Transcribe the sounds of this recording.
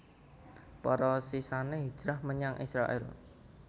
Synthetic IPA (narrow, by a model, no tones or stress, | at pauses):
pɔɾɔsisaneɦi̥d͡ʒ̥ɾahməɲaŋʔḭsɾa̰ʔɪ̰l